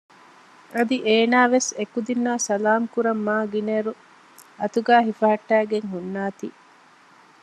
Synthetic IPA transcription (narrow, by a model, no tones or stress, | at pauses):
ɐd̪iʔeːnaːʋesekud̪inːaːsɐlaːmkuɾɐmːaːɡineɾu | ɐt̪uɡæːɦifɐɦɐʈːæːɡeŋɦunːaːt̪ḭː